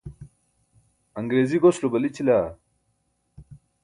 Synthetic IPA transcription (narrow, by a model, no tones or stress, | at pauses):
ɐŋɡɾeːziɡoslobɐlit͡ɕʰila